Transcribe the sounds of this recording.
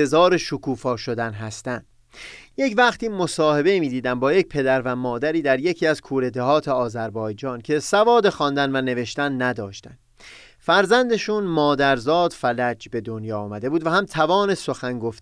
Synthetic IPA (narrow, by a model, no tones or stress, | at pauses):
ezɒːɾe̞ʃokʰuːfɒːʃo̞d̪ænɦæst̪ænd̪̥ | jecvæχt̪ʰiːmo̞sɒːhe̞be̞imiːd̪iːd̪æmbɒːje̞c̚pʰe̞d̪æɾvæmɒːd̪æɾiːd̪æɾje̞cʰiːæzkʰuːɾe̞d̪ehɒːt̪ʰeɒːzæɾbɒːjd͡ʒɒːncʰe̞sævɒːd̪e̞xɒnd̪ænvæne̞ve̞ʃt̪ænːæd̪ɒːʃt̪æ̰nd̪ | fæɾzænd̪e̞ʃunmɒːd̪æɾzɒːd̪̥fælæd͡ʒbe̞d̪o̞njɒːmæd̪e̞buːd̪væhæmt̪ʰævɒːne̞so̞xæŋɡo̞ft̪